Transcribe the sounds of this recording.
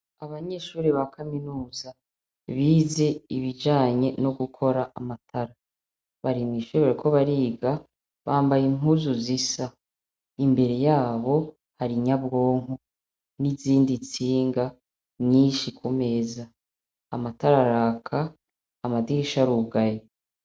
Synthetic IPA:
aβaɲe̞ʃuːɾiβakʰaminuːza | βiːze̞iβid͡ʒaːɲe̞no̞ɡukʰo̞ɾaʔamatʰaɾa | βaɾimiʃeβaɾikʰo̞βaɾiːɡa | βaːmbajiŋuzuzisa | imbe̞ɾe̞jaːβo̞ | haɾiɲabɡo̞ːŋu | niziːndit͡siːŋɡa | ɲiːʃikʰume̞zaː | mataɾaɾakʰaː | madiiʃaɾuɡaje

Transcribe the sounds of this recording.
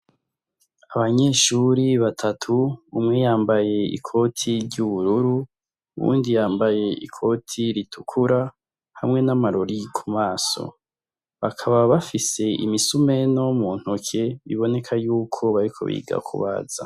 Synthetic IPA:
aβaɲe̞ːʃuɾiβatʰatʰuumŋejaːmbaje̞ḭkʰo̞tʰiɾɟuβuɾuɾu | ṵβṵːndijaːmbaje̞ʔḭkʰo̞tʰiɾitʰukʰuɾa | hamŋe̞namaɾoɾikʰumaːso̞̰ | βakʰaβaβafise̞ʔḭmisume̞no̞muːn̥hukʰeβiβo̞ne̞kʰajuːkʰo̞βaɾikʰo̞̰βḭːɡa̰kʰṵβa̰z̥a̰

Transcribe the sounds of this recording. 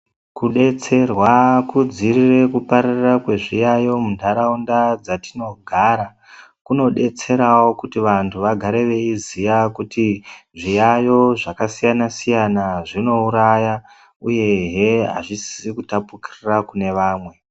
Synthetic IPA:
kuɗe̞t͡se̞rwakud͡zirire̞kupaɾarrakwe̞ʐijajo̞mundʱaɾaundad͡zatino̞ɡʱaɾa | kuno̞ɗe̞t͡se̞ɾawo̞kutiʋantʰuʋaɡʱaɾe̞ʋe̞izijakutiʐijajo̞ʐakasijanasijanaʐino̞uɾaja | uje̞ɦe̞ɦa̰ʐisi̥sikutapukirirakune̞ʋaːmwe̞

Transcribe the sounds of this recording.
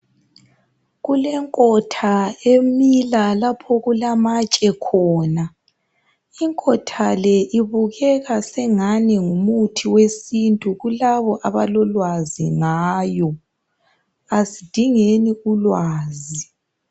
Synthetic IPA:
ɣulɛŋkʼɔtʰaemilalapʰɔɣulamat͡ʃʼɛkʰɔːna | iŋkʼɔtʰalɛʔiβuɣɛɣasɛŋanɛŋumutʰiwesintʼuɣulaβɔʔaβalɔlwazḭŋaːjɔ | asid̥ʱiŋeniulwaːzi

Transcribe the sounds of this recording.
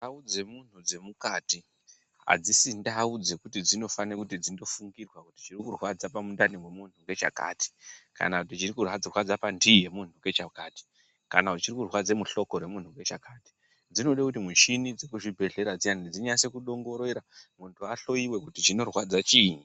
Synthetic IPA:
aud͡ze̞mun̤ud͡ze̞mukati | ɦa̰d͡zisindaud͡ze̞kutid͡zino̞fanekutid͡zindo̞fuŋɡirwakuti̥t͡ʃirikurwad͡zapamundaniŋwe̞mun̤uŋɡe̞t͡ʃa̰ka̰ːti̥ka̰nakut̬it͡ʃirikurwad͡zrwad͡zapandije̞mun̤uŋɡe̞t͡ʃakaːti̥ | kanaut͡ʃirikurwad͡ze̞muɬo̞ko̞ɾwe̞mun̤uŋɡe̞t͡ʃakaːti̥ | d͡zino̞ɗakutimut͡ʃinid͡ze̞kuʐibʱe̞ɮe̞ɾad͡ziandid͡ziɲase̞kuɗo̞ŋɡo̞ɾeɾamuntʰuaɬo̞iwe̞kutit͡ʃino̞rwad͡zat͡ʃiːɲi

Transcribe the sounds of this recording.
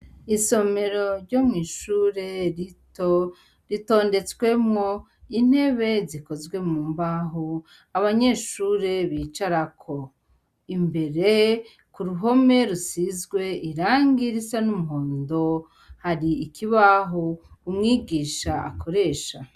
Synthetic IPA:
iso̞me̞ɾo̞ɾɟomŋiːʃuɾe̞ | ɾito̞ːnde̞t͡swe̞mŋo̞ | in̥he̞βe̞ziko̞zɡwe̞muːmbaɦo | aβaɲe̞ʃuːɾe̞βiːt͡ʃaɾakʰo̞ | imbe̞ɾe | kuɾuɦo̞me̞ɾusizɡwe̞iɾaːŋɡiɾisanumuɦoːndo̞ | haɾiːkiβaɦokumŋiːɡiːʃaːkʰo̞ɾe̞ːʃa

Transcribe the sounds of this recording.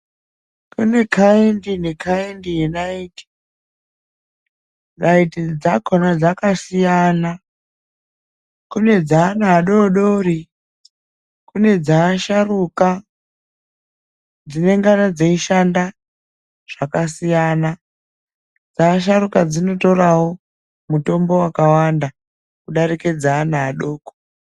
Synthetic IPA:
kune̞kʰaendinekʰaendijenaiti̥ | naitid͡zakʰonad͡zakasijana | kune̞d͡zaːnaːɗo̞ɗoɾi | kune̞d͡zaːʃaruka | d͡zine̞ŋɡanad͡zaiʃanda | ʐ̥akasijaːna | d͡zaːʃ̬aɾukad͡zino̞to̞rawo̞ | muto̞mbo̞wakawanda | kuɗarike̞d͡zaːnaːɗo̞ːko̥

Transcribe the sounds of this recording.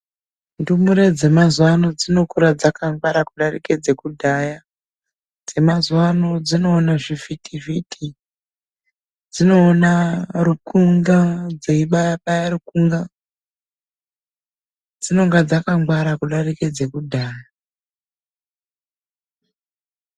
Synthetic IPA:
ndumuɾed͡ze̞mazwano̞d͡zino̞kuɾad͡zakaŋɡwaɾakuɗarḭked͡ze̞kudʱaja | d͡ze̞mazwano̞d͡zino̞ːnaʐifitʰivitʰi | d͡zino̞ːnarukuŋɡad͡zeiɓajaɓajarukuŋɡa | d͡zino̞ŋɡad͡zakaŋɡwaɾakuɗariked͡ze̞kudʱaːja

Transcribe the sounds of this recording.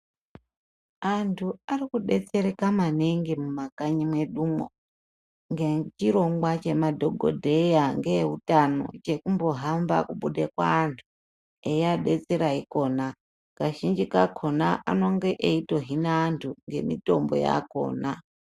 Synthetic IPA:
antʰuarikuɗe̞t͡se̞ɾekamaneŋɡimumakaɲimwe̞ɗumwo̰ | ŋɡet͡ʃiɾo̞ŋɡwat͡ʃe̞madʱoɡʱo̰dʱe̞jaŋɡeeutano̞̰t͡ʃe̞kumbo̞ɦamba̰kuɓuɗekwa̰ːntʰu | ejaɗe̞t͡se̞ɾaiko̞na | kaʒind͡ʒikakʰo̞naʔa̰no̞ŋɡe̞ʔeito̞ɦinaːntʰuŋɡe̞̰mḭto̞̰mbo̞̰ja̰ko̞̰ːna

